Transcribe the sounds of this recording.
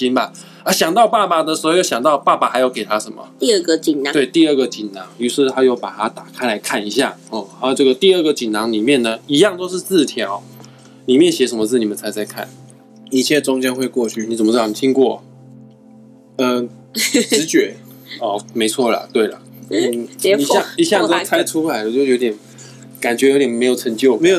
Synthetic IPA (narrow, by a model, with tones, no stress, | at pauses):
t͡ɕi˧˥nba˨˩ | ə˧˩ɕjɑ˨˩ŋt̪ɑ˥ʊpa˥˩pa˨˩d̪ə˨ʂ̩˧˥˧jo˥˩ɕjɑ˨˩ŋt̪ɑ˥˧ʊpa˥˩ba˨˩xa˧˥ɪjo˧˥ʊke˨˩ɪt̪ʰa˦˥ʂə˧˦nmə̰˨i˥˧ə˥˩ɡə˨t͡ɕi˨˩n˨˦t̪we˥˩ɪt̪i˥˧ə˥˩ɡə˨t͡ɕi˨˩nnɑ˧˥ŋy˧˥ʂɻ̩˥˧t̪ʰa˥jo˥˩ʊpa˨˩t̪ʰa˥t̪a˨˩kʰa˥ɪla˧˥ɪkʰa˥˩ni˧˥ɕja̰˥˩ɔ˥˩a˥ʈ͡ʂɤ˥˩ɡə˩t̪i˥˧ə˥˩ɡə˨t͡ɕi˨˩nnɑ˧˥ŋli˨˩mjɛ˥˩nə˩i˧˥jɑ˥˨ŋt̪o˥ʊʂɻ̩˥˧t͡sɹ̩˥˧t̪ʰjɑ˧˦ʊ | ni˨˩mjɛ˥˨nɕjɛ˧˥ʂə˧˥mə˧t͡s̩ʰ˥˩ni˨˩mə˨˦t͡sʰa˧˥ɪt͡sa˥˧ɪkʰa̰˥˩n | i˨˩t͡ɕʰjɛ˥˩ʈ͡ʂʊ˥ŋt͡ɕjɛ˥nxwe˥˧ɪkwɔ˥˧t͡ɕʰy˥˩ni˧˥t͡sə˨˩mə˩˥˩t̪ʰi˥ŋkwɔ˥˩ | ə˧˩˧ | t͡ɕɥɛ˨˧˥ | ɔ˥˧˩me˧˥ɪt͡sʰwɔ˥˩lə̰˩t̪we˥˩ɪlə̰˩˥˨ | ni˨˩ɕjɑ˥˧i˨ɕja˥˨ŋo˥t͡sʰa˥ɪʈ͡ʂʰu˥la˨˧ɪlə˧t͡ɕjo˥˧˩jo˧˥ʊt̪jɛ˨˩n | ka˨˩nt͡ɕɥɛ˧˥jo˧˥ʊt̪jɛ˨˩nme˧˥ɪjo˨˩ʊʈ͡ʂʰə˧˥ŋt͡ɕjo˥˩ʊme˧˥ɪjo˨